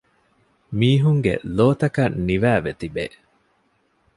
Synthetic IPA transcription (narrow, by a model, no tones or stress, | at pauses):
miːɦuŋɡḛloːt̪ɐkɐnniʋæːʋet̪ibe